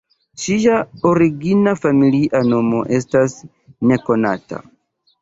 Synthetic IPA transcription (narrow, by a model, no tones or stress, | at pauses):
t͡ʃijaoɾiɡinafamiliʔano̞mo̞̰ʔe̞stas | ne̞ko̞na̰ta̰